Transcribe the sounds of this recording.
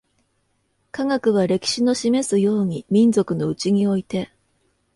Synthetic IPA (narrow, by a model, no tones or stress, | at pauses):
kaŋakɯ̟β̞aɾe̞kʲi̥ɕino̞ɕime̞sɨjo̞ːɲ̟imʲĩnd͡zo̞kɯ̟no̞ɯ̟t͡ɕiɲ̟io̞it̪e̞